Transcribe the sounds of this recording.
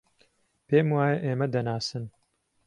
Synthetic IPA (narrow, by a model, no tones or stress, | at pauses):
peːmwaːjeʔeːmɛd̪ɐnaːsɨn